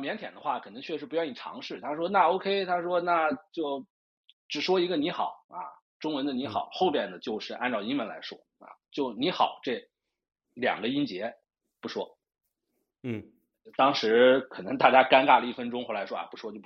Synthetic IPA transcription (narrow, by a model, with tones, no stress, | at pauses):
mjɛ˧˥nt̪ʰjɛ̰˨˩nd̪ə˦xwa˥˩kʰɤ˨˩nɤ˧˥ŋt͡ɕʰɥɛ˥˩ʂɻ̩˧˥˩pu˧˥jɑ˥˩ni˨˩ʈ͡ʂʰɑ̰˧˥ŋʂɻ̩˥˩t̪ʰa˥ʂ̬wɔ˥na˥˧o˥ʊkʰe˥ɪt̪ʰa˥ʂwɔ˥na˥˩t͡ɕjo˥˩ʊ | ʈ͡ʂɻ̩˨˩ʂwɔ˥i˧˥ɡə˧ni˧˥xɑ˨˩˦ʊɐ̰˧ | ʈ͡ʂʊ˥ŋwə˧˥nd̪ə˧ni˧˥xɑ˨˩˦ʊxo˥˧ʊpjɛ˥˩nd̪ə˩t͡ɕjo˥˧ʊʂɻ̩˥˧ʔa˥˧nʈ͡ʂɑ˥˩ʊi˥nmə˧˥nla̰˧˥ɪʂwɔ˥ | ɐ̰˧˩t͡ɕjo˥˩ʊni˧˥xɑ˨˩˦ʊʈ͡ʂɤ˥˩ | ljɑ̰˨˩ŋɡə˦i˥nt͡ɕjɛ˧˥ | pu˧˥ʂwɔ˥˩ | t̪ɑ˥ŋʂɻ̩˧˥kʰɤ˨˩nɤ˧˥ŋt̪a˥˩t͡ɕja˥ka˥nka˥˩lə˩i˥˩fə˥nʈ͡ʂʊ˥ŋxwla˧˥ɪʂwɔ˥a̰˧˩pu˧˥ʂwɔ˥t͡ɕjo˥˩˧